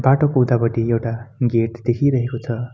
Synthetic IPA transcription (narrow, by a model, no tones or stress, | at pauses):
baʈokoud̪abʌʈiewʈaɡeʈd̪ekʰiɾʌɦekot͡sʰʌ